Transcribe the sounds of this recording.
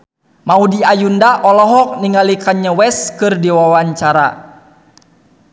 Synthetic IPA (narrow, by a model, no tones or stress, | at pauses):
maudiajundaʔɔlɔɦɔk̚niŋalikaɲəwɛskɨrdiwawaɲt͡ʃaɾa̰